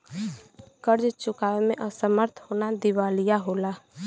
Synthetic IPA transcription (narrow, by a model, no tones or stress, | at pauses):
kəɾd͡ʒt͡ʃʊkaːʋemẽʔəsəməɾt̪ʰhoːnad̪iʋaːlijaɦoːla